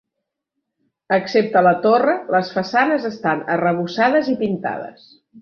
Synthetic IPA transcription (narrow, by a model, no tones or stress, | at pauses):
əksep̚t̪ələt̪orələsfəsanəzəst̪anərəβ̞usað̞əzipint̪a̰ð̞ə̰s